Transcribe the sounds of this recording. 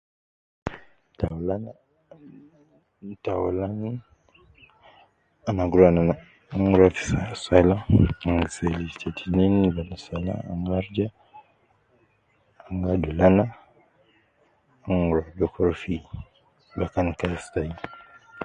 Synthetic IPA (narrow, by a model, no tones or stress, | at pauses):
tawlana | tawlan | anaɡuɾanana | ŋuɾafi̥sasalaŋɡaselitetʰininbanasala̰a̰ŋɡaɾd͡ʒa | aŋɡadulana | aŋuɾadɔkʰɔɾfi | bakankastaji